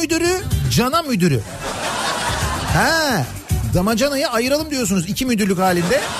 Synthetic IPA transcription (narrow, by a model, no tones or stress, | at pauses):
yd̪yɾyd͡ʒanamyd̪yɾy̰ | hɛ | d̪amad͡ʒanajɯajɯɾalˠɯmd̪ijos̬unuzicʰimyd̪yɾlʲychaːlʲind̪ɛ